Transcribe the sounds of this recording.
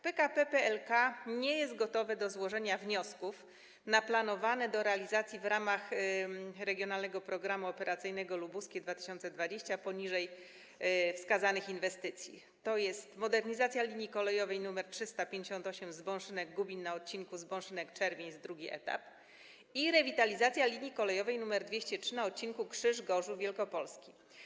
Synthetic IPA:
pɛkapɛpɛɛlkaɲɛjɛst̪̚ɡɔt̪ɔvɛd̪ɔzwɔʐɛɲavɲɔskuf | naplanɔvanɛd̪ɔɾɛalʲizat̪sʲjivɾamax | ɾɛɡʲjɔnalnɛɡɔpɾɔɡɾamuɔpɛɾat̪sɘjnɛɡɔlubuskʲeɛd̪vat̪ɘ̥ɕɔnt̪sɛd̪vad͡ʑeɕt͡ɕapɔɲiʐɛj | fskazanɘxinvɛst̪ɘt̪sʲjḭ | t̪ɔjɛst̪mɔd̪ɛɾɲizat̪sʲjalʲiɲjikɔlɛjɔvɛjnumɛɾtʂɘst̪apʲjeɲd͡ʑeɕɔnt̪ɔɕɛmzbɔ̃w̃ʂɘnɛɡɡubʲinːaɔt̪̚t͡ɕinkuzbɔ̃w̃ʂɘnɛkt͡ʂɛɾvʲeɲzd̪ɾuɡʲiʔɛ̰t̪a̰p | iɾɛvʲit̪alʲizat̪sʲjalʲiɲjikɔlɛjɔvɛjnumɛɾd̪vʲeɕt͡ɕɛtʂɘnaɔt̪̚t͡ɕiŋkukʂɘʐɡɔʐuvʲjɛlkɔpɔlskʲi

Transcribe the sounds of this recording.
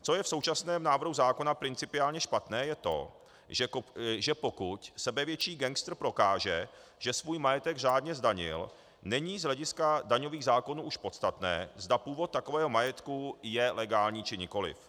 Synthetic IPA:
t͡so̞jɛfsowt͡ʃasnɛːmnaːvr̩ɦuzaːko̞napɾɪnt͡sɪpɪaːlɲɛʃpat̪nɛːjɛt̪o̞̰ | ʒɛpo̞kucsɛbɛvjɛt͡ʃiːɡɛŋkst̪r̩pɾo̞kaːʒɛ | ʒ̥ɛsvuːjmajɛt̪ɛɡr̝aːdɲɛzdaɲɪ̰l | nɛɲiːzɦlɛɟɪskadaɲo̞viːɣzaːko̞nuːʔuʃpo̞t̪st̪at̪nɛ̰ːzdapuːvot̪̚ːakovɛːɦomajɛt̪kujɛlɛɡaːlɲiːt͡ʃɪɲɪko̞lɪ̰f

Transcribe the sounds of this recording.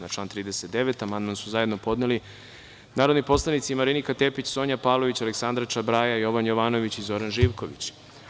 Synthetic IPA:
nat͡ʃlˠaːnt̪ɾiːd̪eset̪̚d̪e̞ʋe̞t̪amand̪mansuzaje̞d̪no̞po̞d̪neli | naːɾo̞d̪nipo̞slˠanit̪simaɾinikat̪e̞pit͡ɕso̞ːɲapaːʋlˠo̞ʋit͡ɕaleksand̪ɾat͡ʃabɾajajo̞ʋanjo̞ʋaːno̞ʋit͡ɕizo̞ɾanʒiːʋko̞ʋḭt͡ɕ

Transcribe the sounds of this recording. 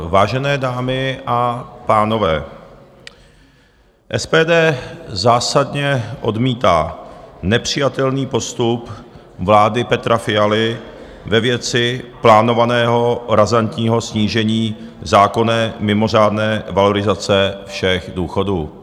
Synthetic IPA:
vaːʒɛnɛːdaːmɪʔapaːno̞vɛː | ʔɛspɛːdɛːzaːsadɲɛʔo̞̰dmiːt̪a̰ːnɛpr̝̥ɪjat̪ɛlniːpo̞st̪up | vlaːdɪpɛt̪ɾafɪjalɪ | vɛvjɛt͡sɪplaːno̞vanɛːɦo̞ɾazant̪ɲiːɦo̞sɲiːʒɛɲiːzaːko̞nɛːmɪmo̞r̝aːdnɛːvalo̞ɾɪzat͡sɛfʃɛxduːxo̞duː

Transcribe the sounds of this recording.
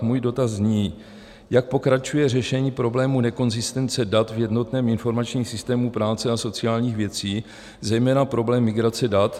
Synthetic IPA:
muːjdo̞t̪azɲiː | jak̚po̞kɾat͡ʃujɛrɛʃɛɲiːpɾo̞blɛːmunɛko̞nzɪst̪ɛnt͡sɛdat̪vjɛdno̞t̪nɛːmɪnfo̞ɾmat͡ʃɲiːxsɪst̪ɛːmupɾaːt͡sɛaso̞t͡sɪaːlɲiːxvjɛt͡siː | zɛjmɛːnapɾo̞blɛːmːɪɡɾat͡sɛdat̪

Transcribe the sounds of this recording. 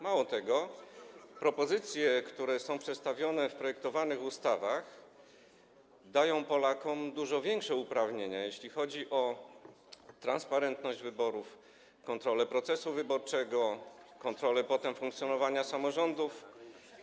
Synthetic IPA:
mawɔt̪ɛɡɔ | pɾɔpɔzɘt̪sʲjɛkt̪uɾɛsɔ̃w̃pʂɛt̪st̪avʲjɔnɛfpɾɔjɛk̚t̪ɔvanɘxust̪avax | d̪ajɔ̃w̃pɔlakɔmd̪uʐɔvʲjɛŋkʂɛupɾavɲeɲajeɕlʲixɔd͡ʑiʔɔ | t̪ɾanspaɾɛnt̪nɔʑd͡ʑvɘbɔɾuf | kɔnt̪ɾɔlɛpɾɔt̪sɛsuvɘbɔɾt͡ʂɛɡɔkɔnt̪ɾɔlɛpɔt̪ɛmfuŋk̚t̪sʲjɔnɔvaɲasamɔʐɔnd̪uf

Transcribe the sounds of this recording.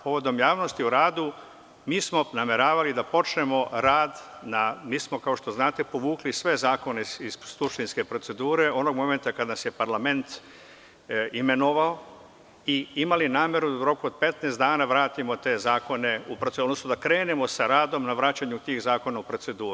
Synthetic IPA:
po̞ʋo̞d̪o̞mjaːʋno̞st̪iuɾaːd̪u | miːsmo̞name̞ɾaːʋalid̪apo̞t͡ʃne̞mo̞ɾaːd̪namiːsmo̞kao̞ʃt̪oznaːt̪epo̞ʋuːklisʋe̞zaːko̞neiz̥suʃt̪inske̞pɾo̞tse̞d̪uːɾe̞o̞no̞ɡmo̞me̞nt̪akad̪nasjepaɾlame̞nt̪ | ime̞noʋao | iimalinaːmje̞ɾud̪auɾo̞kuod̪̚pe̞t̪neːst̪d̪aːnaʋɾaːt̪imo̞t̪e̞zaːko̞ne̞upɾosod̪nosnod̪akɾe̞ːnemo̞saɾaːd̪o̞mnaʋɾaːt͡ɕaɲut̪iɣzaːko̞naupɾo̞t̪se̞d̪uːɾu

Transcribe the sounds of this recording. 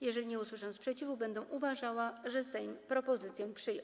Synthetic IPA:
jɛʐɛlʲiɲɛuswɘʂɛw̃spʂɛt͡ɕivubɛnd̪ɛw̃ʔuvaʐawaʐɛsɛɲpɾɔpɔzɘt̪sjɛ̃pʂɘjɔ̰̃

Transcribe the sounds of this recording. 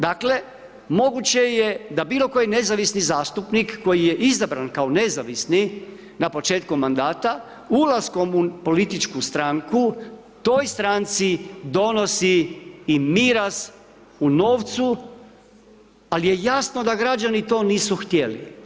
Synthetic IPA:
d̪akle̞ | mo̞ɡut͡ɕe̞je̞d̪abiːlo̞ko̞jine̞zaʋisnizaːst̪upnikːo̞jije̞ʔizabɾankaone̞zaʋisni | napo̞t͡ʃe̞ːt̪kumand̪aːt̪a | ulasko̞mupo̞lit̪it͡ʃkust̪ɾaŋku | t̪o̞jst̪ɾant̪sid̪o̞no̞siː | miɾas | uno̞ːʋt̪su | alije̞jasno̞d̪aɡɾad͡ʒanit̪o̞ːniːsuxt̪jelḭ

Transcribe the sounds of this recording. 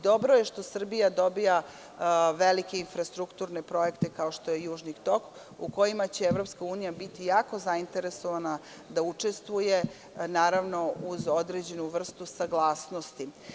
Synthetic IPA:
d̪o̞bɾoje̞ʃt̪o̞sr̩bijad̪o̞bija | ʋelike̞infɾast̪ɾukt̪uːɾnepɾo̞je̞kt̪e̞kao̞ʃt̪o̞jejuːʒnikt̪o̞k | uko̞jimat͡ɕe̞eʋɾo̞pskauːnijabit̪ijaːko̞zaint̪e̞ɾe̞soʋana | d̪aut͡ʂe̞st̪ʋuje̞ | naːɾaʋno̞uzo̞d̪ɾed͡ʑe̞nuʋr̩st̪usaɡlˠaːsnost̪i

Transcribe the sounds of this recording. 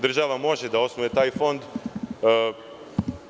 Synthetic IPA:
d̪r̩ʒaʋamo̞ʒed̪ao̞snuʋet̪aːjfo̞nd̪

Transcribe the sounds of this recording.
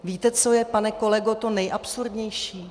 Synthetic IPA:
viːt̪ɛt͡so̞jɛpanɛko̞lɛɡot̪o̞nɛjʔapsuɾdɲɛjʃiː

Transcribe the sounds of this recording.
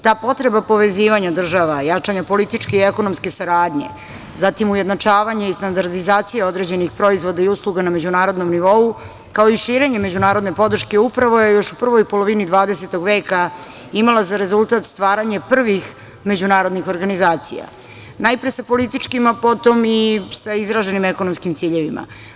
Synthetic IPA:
t̪aːpo̞t̪ɾe̞bapo̞ʋe̞ziːʋaɲad̪r̩ʒaʋajat͡ʂaɲapo̞lit̪it͡ʂke̞ieko̞nomske̞saɾaːd̪ɲe̞̰ | zat̪imujed̪nat͡ʂaːʋaɲe̞ist̪and̪aɾd̪izaːt̪sijeo̞d̪ɾe̞ːd͡ʑe̞nixpɾo̞izʋo̞d̪aiuslˠuɡaname̞d͡ʑunaːɾo̞d̪no̞mniʋo̞u | kaoiʃiːɾe̞ɲe̞me̞d͡ʑunaːɾo̞d̪nepo̞d̪rʃke̞upɾaʋo̞je̞jo̞ʃupr̩ʋo̞jpo̞lo̞ʋinid̪ʋaːd̪e̞se̞t̪oɡʋe̞ːka | imalazaɾe̞zulˠt̪at̪st̪ʋaːɾaɲepr̩ʋix | me̞d͡ʑunaːɾo̞d̪nixo̞ɾɡanizaːt̪sḭja̰ | najpɾesapo̞lit̪it͡ʂkimapo̞t̪o̞misaizɾaʒe̞nimeko̞nomskimt̪siːʎe̞ʋima̰

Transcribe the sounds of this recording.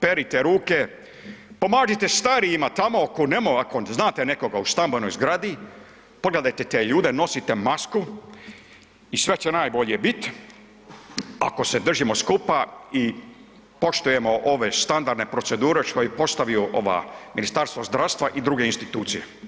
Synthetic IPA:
peɾit̪eɾuːke | po̞maːʒit̪est̪aɾijimat̪amo̞akonemoako̞znaːt̪eneko̞ɡaust̪ambono̞jzɡɾad̪i | poɡle̞d̪ajt̪et̪eːʎuːd̪eno̞sit̪e̞masku | isʋe̞t͡ɕenaːjbo̞ʎebit̪ | a̰ko̞se̞d̪r̩ʒimo̞skupai | po̞ʃt̪ujemo̞ʔo̞ʋe̞st̪and̪aɾd̪nepɾo̞t̪se̞d̪uːɾe̞ʃkojepo̞st̪aʋiuʔo̞ʋa̰ːminist̪aɾst̪ʋozd̪ɾawst̪ʋaʔid̪ɾuɡeinst̪it̪uːt̪sijḛ

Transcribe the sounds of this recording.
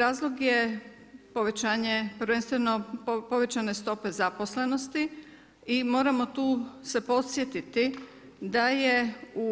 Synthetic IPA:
ɾaːzlˠo̞ɡje | po̞ʋe̞t͡ɕaːɲepɾ̩ʋe̞nst̪ʋe̞no̞po̞ʋe̞t͡ɕane̞st̪o̞pe̞zaposle̞no̞st̪i | imo̞ːɾamo̞t̪uːse̞po̞t̪sje̞t̪it̪i | d̪ajeu

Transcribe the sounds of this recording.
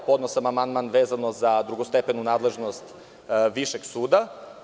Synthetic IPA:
po̞d̪nosamamand̪maːnʋeːzanozad̪ɾuɡost̪epenunaːd̪lˠe̞ʒno̞st̪ | ʋiʃe̞ɡsuːd̪a

